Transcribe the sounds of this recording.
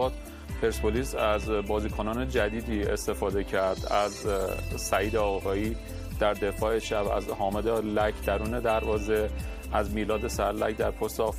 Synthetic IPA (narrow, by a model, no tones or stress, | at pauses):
ɒːt̪ | pʰeɾspʰoliːsæzbɒːziːkʰonɒːne̞d͡ʒæd̪iːd̪iːe̞̰st̪e̞fɒːd̪e̞cʰæɾd̪æzsæiːd̪eɒːɣɒːiː | d̪̥æɾd̪e̞fɒːeʃæbæ̰zhɒːmed̪elæcʰd̪æɾuːne̞d̪æɾvɒːze̞ | æzmiːlɒːd̪e̞sæɾlæcd̪æɾpʰost̪ɒf